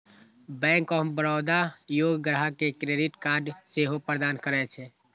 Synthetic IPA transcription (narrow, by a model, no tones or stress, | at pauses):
bɛ̃ːŋkɔːbəɾɔːd̪ajoːɡɡɾəɦakekɾeːɖɪʈkaːɾɖseɦopɾəd̪aːnkəɾɛt͡ʃʰe